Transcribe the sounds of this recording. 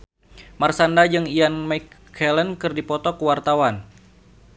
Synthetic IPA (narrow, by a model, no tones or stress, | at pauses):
marsandad͡ʒɨŋianmakʰː | ɛlənkɨrdipɔt̪ɔkəwart̪awan